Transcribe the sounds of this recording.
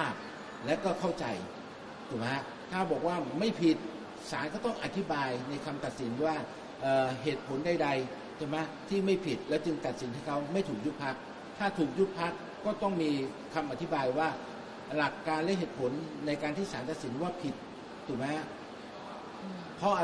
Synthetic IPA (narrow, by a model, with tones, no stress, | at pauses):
aː˥˩k̚ | lɛ˦˥wkɔː˥˩kʰa˥˩wt͡ɕa̰˧j | t̪ʰuː˨˩ma˦˥ | k̪ʰaː˥˩bɔː˨˩k̚waː˥˩ma˥˩jpʰi˨˩t̪̚ | saː˩˦nkɔː˥˩t̪ɔ˥˩ŋʔa˨˧t̪ʰi˦˥baː˧jna˧jkʰa˧mt̪a˨˩t̪̚si˩˦nwaː˥˩ | ʔɤː˨˩ɦeː˨˩t̪̚pʰo˩˦nda˥˩jda˧j | t͡ɕʰa˥˩ma˦˥t̪ʰiː˥˩ma˥˩jpʰi˨˩t̪̚lɛː˦˥wt͡ɕɯ˧ŋt̪a˨˩t̪̚si˩˦nh̪aː˧˥˩kʰa˦˥wma˥˩jt̪ʰuː˨˩k̚ju˦˥t̪̚pʰa˦˥k̚ | t̪ʰaː˥˩t̪ʰuː˨˩k̚ju˦˥t̪̚pʰa˦˥kːɔː˥˩t̪ɔ˥˩ŋmiː˧ | kʰa˧mʔa˨˩t̪ʰi˦˥baː˧jwaː˥˩ | la˨˩kːaː˧nlɛ˦˥ɦeː˨˩t̪̚pʰo˩˦nːa˧jkaː˧nt̪ʰiː˥˩saː˩˦nt̪a˨˩t̪̚si˩˦nwaː˥˩pʰi˨˩t̪̚ʰː | uː˨˩ma˦˥ | pʰɔ˦˥ʔ